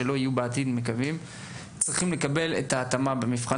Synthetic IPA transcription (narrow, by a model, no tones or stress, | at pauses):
elo̞hijubeat̪id̪me̞kavim | t͡sʁiχimle̞kabe̞lḛt̪aːt̪amabemifχa